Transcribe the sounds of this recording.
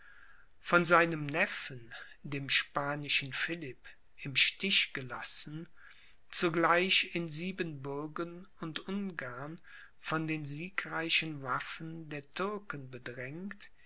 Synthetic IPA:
fɔnzaɪnəmnɛfəndeːmʃpaːnɪʃn̩fɪlɪp | ʔɪmʃtɪʃɡ̥əla̰sn̩ | t͡suɡlaɪçɪnziːbənbʊɐɡənʊntʔʊnɡaɐn | fɔndeːnziːkʁaɪʃən̩vafən̩deːɐtʰʏɐkənbədʁɛŋt

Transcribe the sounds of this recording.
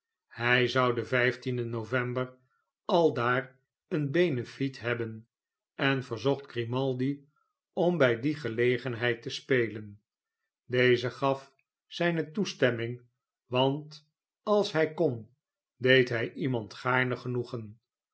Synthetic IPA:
hɛjzʌwdəvɛjftindənowvɛmbər | ɑlˠdaːr | ənbejnəfitɦɛbən | ɛnvəɹzɔχtɡrimɑlˠdi | ɔmbɛjdiχəlejχənɦɛjtəspejlən | dejzəχɑf | sɛjnətustɛmɪŋ | ʋɑnt | ɑlˠsɦɛjkɔn | dejtɦɛjʔimɑntχaːɹnəχənuχən

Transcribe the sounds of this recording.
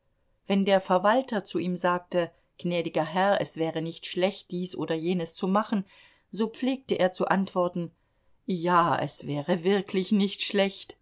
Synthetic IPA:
vɛndeːɐfɛɐvaltɐt͡suʔiːmzaːk̚tə | ɡ̥nɛːdɪɡɐɦɛʁɐɛsv̥ɛːʁənɪçtʃlɛçt̚d̥iːsʔo̰ːdɐjeːnəst͡sumaχn̩ | zoːp͡fleːk̚təʔeːɐt͡suʔantv̥ɔɐtn̩ | jaːɛ̰sv̥ɛːʁəvɪɐkʰlɪçnɪçtʃlɛçt

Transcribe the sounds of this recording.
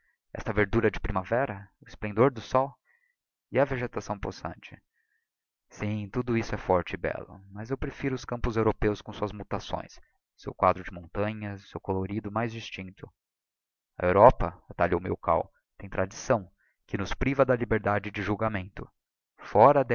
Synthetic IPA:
ɛ̰st̪ɐveɾd̪uɾɐd͡ʒɪpɾimavɛɾɐʊɪsplẽnd̪oɾd̪ʊsɔw | ɪɐveʒet̪asɐ̃w̃posɐ̰̃nt͡ʃɪ̥ | sĩt̪ud̪ʊisʊɛfɔɾt͡ʃɪɪbɛ̰lʊ̰mɐzewpɾefiɾʊʊskɐ̃mpʊzewɾopewskõsuɐzmut̪asõ̰j̃s | sewkwad̪ɾʊd͡ʒɪmõnt̪ɐ̃ɲɐsewkoloɾid̪ʊmajzd͡ʒist͡ʃĩnt̪ʊ | ɐewɾɔpɐat̪aliowmḛwka̰w | t̪ẽj̃t̪ɾad͡ʒisɐ̃w̃ | kɪnʊspɾivɐd̪ɐlibeɾd̪ad͡ʒɪd͡ʒɪʒuwɡamẽnt̪ʊ | fɔɾɐd̪

